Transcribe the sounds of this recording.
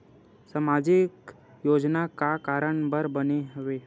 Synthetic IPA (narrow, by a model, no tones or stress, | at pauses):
samaːd͡ʒɪk | joːd͡ʒnakakaːɾəɳ̃bəɾbəneɦɐʋeː